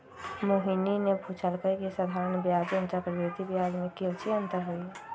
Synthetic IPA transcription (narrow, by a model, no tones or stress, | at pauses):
moɦininebʱut͡ʃʰəlkəkisad̪ʱaːɾənbjaːd͡ʒə̃nt͡ʃakəɾd̪et̪ibjad͡ʒmẽkelt͡ʃʰiə̃nt̪əɾɦoi